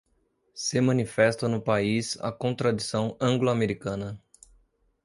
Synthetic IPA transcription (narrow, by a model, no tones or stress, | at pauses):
sɪmɐ̃nifɛst̪ɐnʊpaiza̰kõt̪ɾad̪isɐ̃w̃ɐ̃ŋɡloameɾikɐ̃nɐ